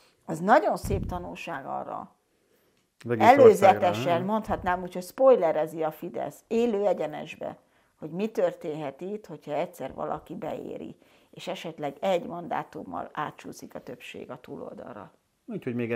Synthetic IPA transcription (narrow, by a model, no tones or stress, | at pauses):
ɒznɒɟo̞nseːpt̪ɒnulʃaːɡɒ̰rːɒ̰ | vɛɡɛløːzɛt̪ɛʃɛnmo̞nt̪hɒt̪naːmuːcho̞cspo̞jlɛɾɛziɒfid̪ɛ̰seːløːɛɟɛnɛ̰ʒbɛ̰ | ho̞ɟmit̪ørt̪eːnɦɛt̪it̪ho̞cʰhɒɛcʲsɛrʋɒ̰lʔɒ̰kibɛ̰ḛːɾḭ | eːʃɛʃɛt̪lɛɡɛɟmɒnd̪a̰ːt̪umːɒ̰laːt̪t͡ʃuːsikɒt̪ø̞pʃḛːɡɒt̪uːlo̞̰ld̪ɒ̰rrɒ | uːchoɟmeːɡ